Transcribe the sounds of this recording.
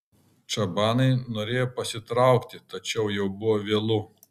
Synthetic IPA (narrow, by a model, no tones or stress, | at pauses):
t͡ʃɐbɑːnɐɪnoːɾʲeːjoːpɐsʲɪt̪ɾɑˑʊkt̪ʲɪt̪ɐt͡ʃʲɛʊjɛʊbʊʋoʋʲeːlˠʊ